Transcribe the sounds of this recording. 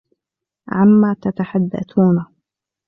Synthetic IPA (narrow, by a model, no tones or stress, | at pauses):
ʕamːaːt̪at̪aħad̪ːa̰θuːna